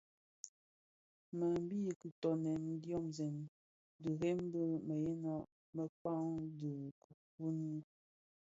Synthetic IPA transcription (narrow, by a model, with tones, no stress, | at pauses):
mə˨m˦bi˦˨kə˨tɔ˨nɛ˨m˦djɔ˦mzɛ˨m | də˨ɣɛ˦m˦bə˦mə˨jɛ˦na˦ʔ | mə˦k͡pa˦ŋdə˨kə˨pu˦ni˦